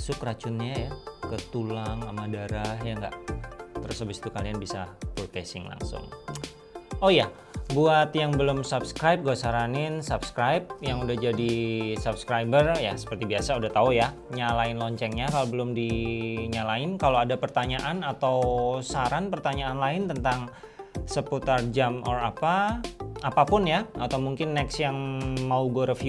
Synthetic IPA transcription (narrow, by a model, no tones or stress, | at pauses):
sʊkrat͡ʃʊnɲajakət̪ulaŋamadaɾahjaŋɡa̰ʔt̪əɾʊsabɪsi̥t̪ukalianbisaput̪ɛsɪŋla̰ŋsʊ̰ŋ | oja | buat̪jaŋbəlʊmsupskɾajp̚ɡuasaɾanɪnsup̚skɾajp̚jaŋudahd͡ʒadisup̚skɾajbərjasə̥pərt̪ibiasaudaht̪auja | ɲalaɪnlɔɲt͡ʃɛŋɲakalobəlʊmdiɲalaɪnkaloadapərt̪aɲaʔanat̪awsaɾanpərt̪aɲaːnlaɪnt̪ənt̪aŋ | səput̪ard͡ʒamɔ̰rapa | apapʊnjaat̪awmuŋkɪnːɛksjaŋmauɡoɾəfiu